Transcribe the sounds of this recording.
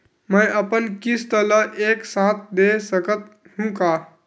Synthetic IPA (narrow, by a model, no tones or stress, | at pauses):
məjəpənkist̪ələʔeksãt̪̚ʰd̪esəkət̪̚ | ɦũka